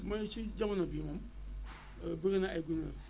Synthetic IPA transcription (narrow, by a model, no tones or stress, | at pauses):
mat͡ʃid͡ʒamanabimam | beɣenaʔaɡuna